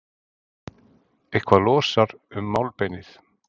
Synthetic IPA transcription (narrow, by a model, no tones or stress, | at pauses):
ejhkʰvalɔːsaɾʏmːaːwlpejnɪθ